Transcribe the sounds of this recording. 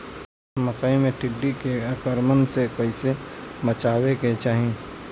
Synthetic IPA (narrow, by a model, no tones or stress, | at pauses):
məkaĩmẽʈʰɪɖːikeakəɾmənsekoisemət͡ʃaːweket͡ʃaːɦĩ